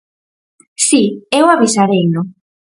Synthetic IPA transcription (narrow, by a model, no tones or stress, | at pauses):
siewaβisaɾejnʊ